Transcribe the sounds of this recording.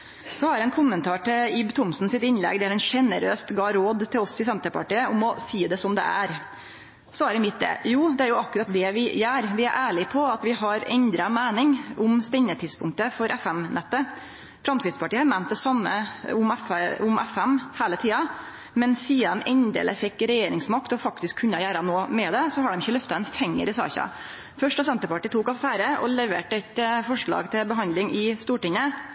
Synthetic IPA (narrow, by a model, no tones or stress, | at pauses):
sɔhɑɾɛnkʰʊmːənt̪ʰɑːʈɪɪbt̪ʰʊmsn̩sɪt̪ɪnlɛ̰ɡd̪ɛhæɾɛnʂɛnəɾøːst̪ɡɑːɾoːd̪t̪ʰːɪlɔsɪsɛnt̪əɾpɑ̰ʈiːəʊmɔsiːd̪ɛsɔmd̪ɛ̰æ̰ɾ | sɔæɾɛmɪt̪̚d̪ɛ̰ːjuːd̪ɛæɾjʊɑkːʉɾɑt̪̚d̪ɛʋɪjæːɾʋɪæɾʔæːɭɪpʰɔɑt̪ʋɪhɑɾɛ̰nd̪ɾɑmæːnɪŋʊmst̪ɛɲːət̪ʰɪd̪spʰʊŋk̚t̪əfɔɾʔɛfɛmnɛt̪ːə | fɾɑmskɾɪt̪spɑʈiːɑɾmæn̚d̪ɛsɑmːə̰ʊmɛfʊmɛfɛmhæːlət̪ʰiːɑ | mɛnsiːɑnɛnd̪ḛːlʔəfɛkːɾɛjeːɾɪŋsmɑkt̪ɔfɑkt̪ɪskʰʉnːɑjæːɾɑnoːmɛd̪ɛsɔɦɑɖɛmɪçːəlœft̪ɑɛnfɛŋːə̰ɾɪsɑ̰ːçɑ̰ | fœʂʈəsɛnt̪əɾpɑʈiːt̪ʰuːkɑfæːɾəʔɔ̰lɛʋḛːʈəɛt̪fɔʂɭɑ̰ːɡt̪ʰɪlbəɦɑnd̪lɪŋɪst̪uːʈɪŋə